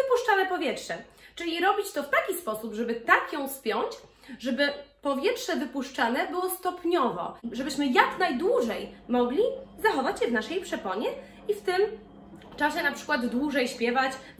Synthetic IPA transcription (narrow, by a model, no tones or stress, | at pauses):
ɘpuʂt͡ʂanɛpɔvʲjɛtʂɛ | t͡ʂɘlʲiɾɔbʲit͡ɕt̪ɔft̪akʲispɔsupʐɛbɘt̪akjɔ̃w̃spʲjɔɲt͡ɕ | ʐɛbɘpɔvʲjɛtʂɛvɘpuʂt͡ʂanɛbɘwɔst̪ɔpɲɔvɔ̰ʐɛbɘɕmɘjaknajd̪wuʐɛjmɔɡlʲizaxɔvat͡ɕɕɛvnaʂɛjpʂɛpɔɲɛ | ift̪ɘm | t͡ʂaɕɛnapʂɘ̥kwad̪ːwuʐɛjɕpʲjɛvat͡ɕ